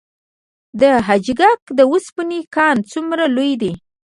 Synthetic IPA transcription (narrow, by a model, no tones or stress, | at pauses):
d̪əɦad͡ʒɡakd̪əwuspinikɑnt͡sumɾalojd̪i